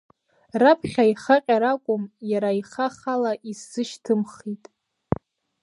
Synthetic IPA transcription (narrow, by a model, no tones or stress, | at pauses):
rapʰχʲaiχaqʲʼaɾakʷʼʊmjaɾaiχaχalaʔisːɨʃtʰɨmχitʼ